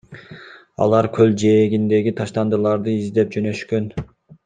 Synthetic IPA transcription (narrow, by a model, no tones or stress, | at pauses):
ɑ̰lˠɑɾkʰøld͡ʒeːɡʲind̪e̞ɡʲit̪ʰɑʃt̪ɑnd̪ɯlˠɑɾd̪ɯizd̪e̞p̚d͡ʒønø̞ʃkø̞n